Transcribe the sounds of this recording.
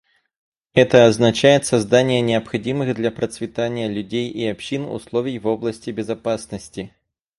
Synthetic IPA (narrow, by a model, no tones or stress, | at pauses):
ɛt̪ɐːznat͡ʃajɛt̪sazd̪anʲːjɛnʲɛɐpxad͡zʲimɨɣd̪lʲɐpɾɐt̪svʲit̪anʲːjɐlʲud͡zʲejiapɕinṵslˠɔvʲijvɔblˠɐsʲt͡sʲibʲɛzapasnɐsʲt͡sʲi